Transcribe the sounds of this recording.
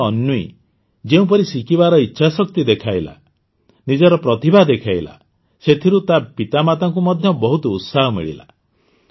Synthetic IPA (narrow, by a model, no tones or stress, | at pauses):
ɔnːuḭ | d͡ʒeũp̬ɔɾisikibaɾɔitːʃʰasɔk̚t̪id̪ekʰajla̰ | nid͡ʒɔɾɔpɾɔt̪ibʱad̪ekʰajla̰ | set̪ʰiɾut̪apit̪amat̪aŋkumɔd̪ʱjɔbɔɦut̪ɔut̪saɦɔmḭɭḭla̰